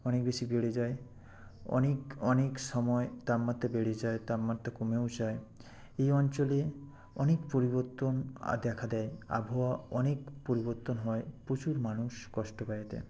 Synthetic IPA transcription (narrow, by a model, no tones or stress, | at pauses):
ɔnek̚besibeɽed͡ʑae | ɔ̰nekɔnekʃɔmɔet̪ammːat̪ːabeɽed͡ʑaet̪ammat̪ːakomeod͡ʑae | ejɔnt͡ʃole | ɔnekpoɾibɔɾt̪ona̰d̪ɛkʰad̪ɛea̰bʱɔwaɔnekpoɾibɔɾt̪onɦɔepot͡ɕuɾmanuʃkɔʃʈopajet̪ḛ